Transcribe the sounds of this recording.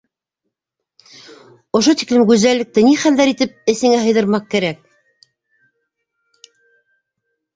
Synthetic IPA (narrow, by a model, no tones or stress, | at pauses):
ŏʃot̪i̥klɘmɡʉzælːɘ̆k̚t̪ɘniχæld̪æɾit̪ɘp̚ɘ̆sɘ̆ŋæɦɤ̆jðɤ̆ɾmɑq̚kæɾæk̚